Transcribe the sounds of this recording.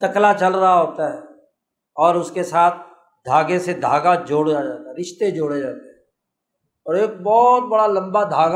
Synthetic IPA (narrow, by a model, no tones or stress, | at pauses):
t̪ɐklat͡ʃɐlɾɐɦaɦoːt̪aɦɛː | ɔːɾʊskesaːt̪̚ʰ | d̪ʱaːɡẽsed̪ʱa̰ːɡad͡ʒoːɽd͡ʒad͡ʒaːt̪aɦɛɾɪʃt̪ed͡ʒoːɽed͡ʒaːt̪eɦɛ̃ | ɔːɾeːk̚bɔːt̪̚bɐɽalɐ̃mbad̪ʱaːɡ